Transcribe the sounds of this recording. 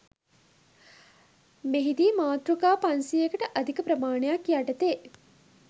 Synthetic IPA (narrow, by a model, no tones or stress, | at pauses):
meɦid̪iːmaːt̪ɾukaːpansiekəʈəʔɐd̪ʱikəpɾɐmaːɳejakjaʈət̪eː